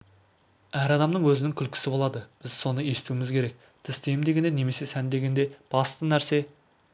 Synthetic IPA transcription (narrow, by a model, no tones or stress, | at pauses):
æɾɑd̪ɑmd̪əɴwɵzɪnɪŋkʲʰʏlkʲʰɪ̥sɪbolˠɑd̪əb̥ɪz̥so̞nəe̞sɪ̥t̪uwɪmɪzkʲʰe̞ɾe̞k̚ | t̪ʰɪsd̪e̞jmd̪e̞ɡʲe̞d̪ene̞me̞se̞sænd̪e̞ɡʲe̞nd̪e̞b̥ɑst̪ənæɾse̞